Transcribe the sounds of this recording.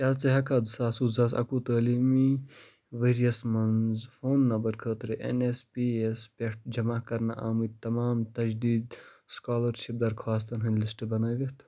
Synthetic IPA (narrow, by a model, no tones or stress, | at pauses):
kʲaːt͡sɐɦɐkʰaːd̪saːsuzɐːsɐ̰kuːt̪əːliːmi | ʋeːɾijɐsmɐnzfʰoːnːɐmbɐɾkʰəːt̪ɾɨʔḛnespiːespʲeʈd͡ʒɐmakɐɾna̰ʔa̰ːmɨt̪ɐmaːmt̪ɐd͡ʒd̪iːd̪skaːlɐɾʃip̚d̪ɐɾkʰʋaːs̬t̪ɐnɦɐnlisʈbɐnaːʋiht̪ʰ